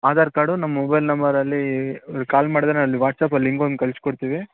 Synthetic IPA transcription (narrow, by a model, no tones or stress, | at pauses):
aːd̪aːɾkaːɽunɐmːmɔbɐjlnɐmbɐɾɐlːiɾkaːlmaːɽid̪ɾeɐlːiʋaːʈsaːpɐlːiŋɡond̪̚kɐɭskɔɽt̪iːʋi